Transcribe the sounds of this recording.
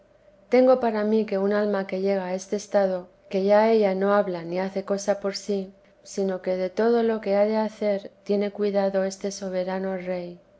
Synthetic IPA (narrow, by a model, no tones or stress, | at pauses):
t̪e̞ŋɡo̞paɾamike̞unalmake̞ʝe̞ɣ̞ae̞st̪eːst̪aðo̞ | ke̞ʝae̞ʝano̞aβlaniaθe̞ko̞sapo̞ɾsi | sino̞ke̞ðe̞t̪o̞ð̞o̞lo̞ke̞aðe̞aθe̞ɾt̪je̞ne̞kwiðaðo̞e̞st̪e̞so̞β̞e̞ɾano̞re̞j